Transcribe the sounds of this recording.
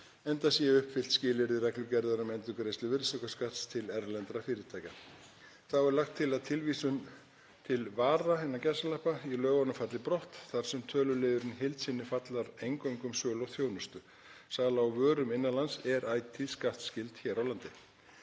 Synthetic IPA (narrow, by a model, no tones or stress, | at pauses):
ɛnt̪asjɛʏhpfɪl̥t̪scɪːlɪɾɪrɛklʏcɛɾðaɾʏmɛnt̪ʏkɾejst̪lʏvɪɾsɔkaskaht̪st̪ʰɪlɛɾlɛnt̪ɾafɪːɾɪt̪ʰaːjka | θaɛɾlaxt̪ʰːɪlaðt̪ʰɪlvisʏn | t̪ʰɪlvaːɾahɛnːacasalahpailœːɣanʏfat̪lɪpɾɔht̪θaɾ̥sɛmt̪ʰœːlʏlɪːðʏɾɪnɦejlt̪sɪnːɪfat̪laɾejŋkoɥŋkʏmsœːlɔɣθjoːwnʏst̪ʏ | saːlaːwvœːɾʏmɪnːalansɛɾaːjt̪ʰiðskaht̪scɪlt̪çɛːɾawlant̪ɪ